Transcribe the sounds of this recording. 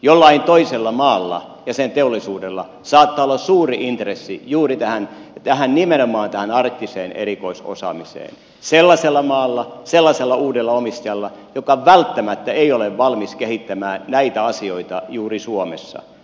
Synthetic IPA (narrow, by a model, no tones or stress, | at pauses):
jolːɑint̪oiselːɑmɑːlːɑ̰ | jɑsent̪eolːisuːdelːɑ̰ | sɑːt̪ːɑolːɑssuːriʔint̪resːḭjuːrit̪æhænt̪æhænnimenomɑːnt̪æhænɑrt̪ːiseːnḛrikoiso̰sɑ̰misḛːn | selːɑselːɑmɑːlːɑselːɑselːɑuːdelːɑomist̪ɑjɑlːɑjokɑʋælt̪ːæmæt̪ːæeioleʋʋɑlmiskehit̪ːæmæːnnæit̪æɑsioit̪ɑjuːrisuomḛsːɑ̰